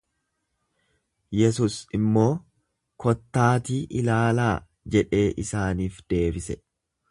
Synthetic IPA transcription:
jɛsuːsɪmːo̞ː | kɔt̪ːaːt̪iːʔɪlaːlaː | d͡ʒɛᶑe̞ːʔɪsaːniːfd̪̥e̞ːbɪsɛ

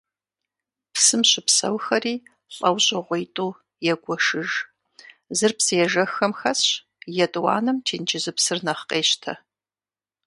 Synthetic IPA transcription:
psɨmɕɪpsɐ̰wxɐriː | ɬʼɐwɕʼɪʁʷejtʼuː | jɛɡʷɔʂɨʒ | zɨrpsɨjɛʒɐxɐmxɐsɕ | jɛtʼwɑ̰ːnɨmtʰeːnd͡ʒɪzɨpsɨrnɐχqʼeːɕtʰɐ̰

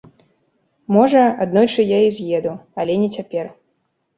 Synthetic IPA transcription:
mɔʐɐad̪nɔjt͡ʂɨjaizʲjɛd̪uɐlʲɛnʲɛt͡sʲapʲɛr

